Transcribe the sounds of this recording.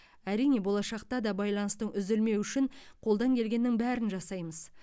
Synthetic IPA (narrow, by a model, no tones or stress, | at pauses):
æɾijne̞bo̞lˠɑʃɑq̚t̪ɑd̪ɑbɑjlˠɑnəst̪əɴʔʏzɪlme̞wʏʃɪɴqʰo̞lˠd̪ɑŋkʲʰe̞lɡʲe̞nːɪŋbæɾɪnʒɑsɑjməz̥